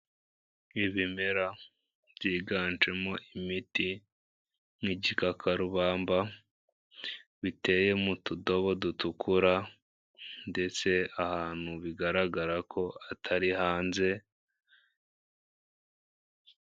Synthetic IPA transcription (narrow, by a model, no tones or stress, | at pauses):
iβime̞ɾa | bjiːɡaːnt͡ʃe̞mo̞ʔimiti | ŋiɟikakʰaɾuβaːmba | βite̞ːje̞mutudo̞βo̞dutukʰuɾa | nde̞t͡se̞ahaːn̥huβiɡaɾaɡaɾakʰo̞atʰaɾihaːnze̞